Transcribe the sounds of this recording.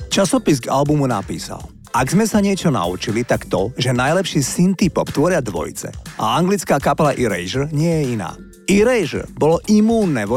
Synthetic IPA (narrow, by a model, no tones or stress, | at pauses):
t͡ʃasɔpizɡa̰lbumuna̰pḭːsa̰l | aɡzmɛsaɲɪɛt͡ʃɔna̰ṵt͡ʃilit̪akt̪ɔʒɛnajlɛpʃiːsint̪ipɔpt̪ʋɔɾɪad̪ʋɔ̰jt͡sɛ̰ʔa̰aŋɡlit͡skaːkapɛlaʔiɾɛ̰jʒr̩ɲɪɛjɛina̰ː | iɾɛjʒrbɔlɔʔimuːnːɛʋɔ